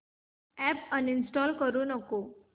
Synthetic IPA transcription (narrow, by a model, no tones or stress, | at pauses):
ɛpəninsʈɔlkəɾunəko